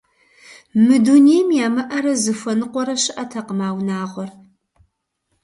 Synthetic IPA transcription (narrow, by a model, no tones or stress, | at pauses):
mɨdunejmjaːmɐʔɐɾɐzɨfɐnɨqʷɔɾɐɕɪʔɐtʰɐqəmaːwnaːʁʷɔr